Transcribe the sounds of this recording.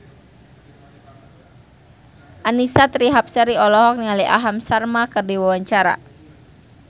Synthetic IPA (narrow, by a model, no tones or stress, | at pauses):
ʔanisat̪ɾiɦapsəɾiɔlɔɦɔk̚niŋaliʔa̰ɦamsarmakərdiwawaɲt͡ʃaɾa̰